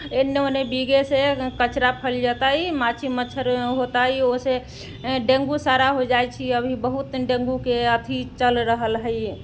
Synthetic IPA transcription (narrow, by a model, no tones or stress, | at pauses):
enːeonebiɡesekət͡ʃɾapʰəld͡ʒat̪aimat͡ʃʰimət͡ʃʰəɾɦot̪aɦiose | ɖẽŋɡusaɾaɦod͡ʒajt͡ʃʰiəbʱibəɦut̪ɖẽŋɡukeət̪ʰit͡ʃəlɾəɦəlɦəj